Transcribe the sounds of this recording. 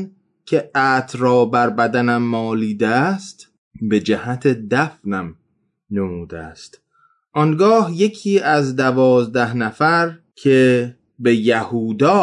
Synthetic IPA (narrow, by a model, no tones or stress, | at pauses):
n | kʲʰeæːt̪ʰɾɒːbæɾbæd̪ænæmːɒːliːd̪eæst̪ | be̞d͡ʒæhæt̪ʰed̪æfnæm | nemuːd̪eæst̪ | ʔɒŋɡɒːhje̞kʰiːʔæzd̪ævɒːzd̪æhnæfæɾ | kʰe | be̞jæhuːd̪ɒː